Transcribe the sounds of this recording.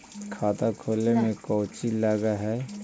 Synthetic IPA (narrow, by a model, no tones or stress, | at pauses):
kʰaːt̪akʰoːlːemẽkɔʊt͡ʃilaːɡaɦɛ